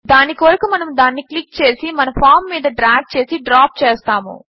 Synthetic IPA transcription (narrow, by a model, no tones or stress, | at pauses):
d̪aːnikʋɐɾɐkumɐnɐmd̪aːnːiklik̚t͡ʃe̞ːsimɐnɐmpʰaːɾmːiːd̪ɐɖɾaːɡ̚t͡ʃe̞ːsiɖɾaːp̚t͡ʃeːst̪aːmṵ